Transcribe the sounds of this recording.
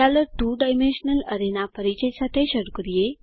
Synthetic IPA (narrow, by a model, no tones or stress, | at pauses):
aləʈuɖajmenɕənələɾenapəɾit͡ɕəjsat̪ʰeɕəɽkɾije